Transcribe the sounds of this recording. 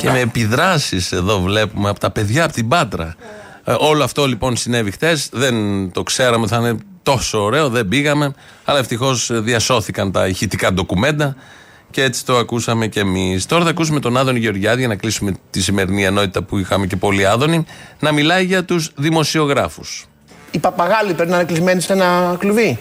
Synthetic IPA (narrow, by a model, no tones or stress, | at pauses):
ce̞me̞ːpiðɾɐsise̞ðo̞vle̞pumeɐpo̥t̪ɐpe̞ðʝɐːpo̥t̪ibɐt̪ɾɐ̰ | o̞loɐft̪o̞lipo̞nsine̞vixθe̞sðe̞nt̪o̞kse̞ɾɐmet̪iθinet̪o̞soːɾe̞o̞ðe̞biɣɐme̞ | ɐlɐe̞ft̪ixo̞sðiɐso̞θikɐnt̪ɐiçit̪ikɐd̪o̞kume̞nd̪ɐ | cee̞t͡si̥t̪o̞ɐkusɐme̞cemist̪oɾɐθɐkus̬umet̪o̞nɐðo̞niʝeo̞ɾʝɐðiʝɐnɐklisume̞t̪isime̞ɾinieno̞t̪i̥t̪ɐpuixɐme̞ce̞po̞liɐðo̞ninɐmilɐiʝɐt̪uzðimo̞sio̞ɣɾɐfus | ipɐpɐɣɐlipɾepinɐnɐklizme̞nisenɐkluvi